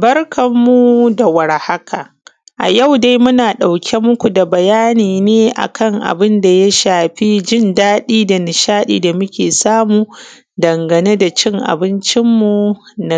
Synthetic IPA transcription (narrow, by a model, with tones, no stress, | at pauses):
bɐ˦rkɐ˨mːu˦da˨wɐ˨ɾha˦kʰa˨ | ʔa̰˨ja˦˨wda˦jmʊ˦naː˨ɗa˨wkʲʰe˦mʊ˦kʷu˨da˨bɐ˨jaː˦niː˨neː˦ʔa̰˨kʰɐ˦ŋʔa̰˨bɪ˦nda˨ja˦ʃaː˨ɸi˦d͡ʒɪ˦ndaː˦ɗiː˦da˨nɪ˨ʃaː˦ɗḭː˨da˨mʊ˦kʲeː˨saː˦muː˨ | dɐ˨ŋɡɐ˨ne˦da˨t͡ʃɪ˦ŋʔa̰˨bɪ˦nt͡ʃɪ˦mːu˨na˦